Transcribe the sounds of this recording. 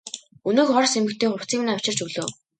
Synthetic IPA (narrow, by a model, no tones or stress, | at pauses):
ɵnɵ̆ːkχɔrsemɘ̆kt̪ʰeːχʊw̥t͡siːmnaːɔw̥t͡ɕɪ̆r̥t͡ɕɵɮoː